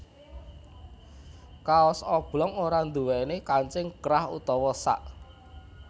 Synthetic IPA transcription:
kaɔsɔb̥lɔŋoɾand̪uwɛnekaɲt͡ʃɪŋɡ̥ɾahṵt̪ɔwɔsa̰ʔ

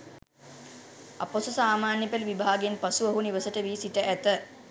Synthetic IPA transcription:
a̰posusaːmaːnjepelʋibʱaːɡenpasuʋəɦuniʋəsəʈəʋiːsiʈəʔæt̪ə

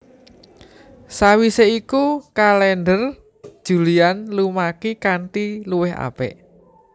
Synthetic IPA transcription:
sawiseikukalɛnɖər | d̥ʒ̥ṳlianlumakikaɳʈiluwɪɦa̰pɛ̰ʔ

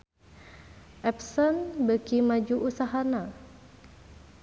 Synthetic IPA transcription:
ʔɛpsɔnbəkimad͡ʒuʔusaɦana

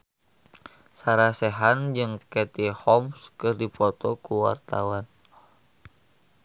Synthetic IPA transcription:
saɾasɛɦand͡ʒɨŋkɛt̪ihɔmskɨrdipɔt̪ɔkuwa̰rt̪awan

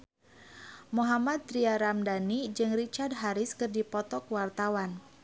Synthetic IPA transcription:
muɦamad̪̚ɾiaɾamdanid͡ʒɨŋrit͡ʃard̚ɦaɾɪskɨrdipɔt̪ɔkwart̪awan

